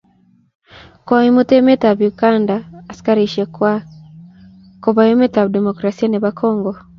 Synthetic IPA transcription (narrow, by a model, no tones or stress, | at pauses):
kwaimutemetaβjuɡaːndaːsi̥kaɾiʃiekwa | koβaemetaβdemokɾasianeβakʰɔːŋɡɔ